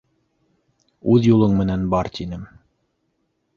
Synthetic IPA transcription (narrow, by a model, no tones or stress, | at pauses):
ʉðjulˠɤɴmɘ̆nænbɑɾt̪inɘm